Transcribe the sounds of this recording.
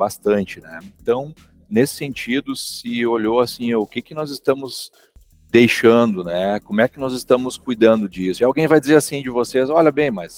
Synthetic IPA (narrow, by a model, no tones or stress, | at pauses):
bast̪ɐ̃nt͡ʃɪnɛ̰ẽnt̪ɐ̃w̃ | nesɪ̥sẽnt͡ʃid̪ʊsɪoʎoasĩʊkɪkɪnɔzɪst̪ɐ̃mʊz | d̪ejʃɐ̃nd̪ʊnɛkõmʊɛkɪnɔzɪst̪ɐ̃mʊskujd̪ɐ̃nd̪ʊd͡ʒisʊiawɡẽj̃vajd͡ʒɪzeɾasĩd͡ʒɪvosezɔʎɐbẽj̃mɐs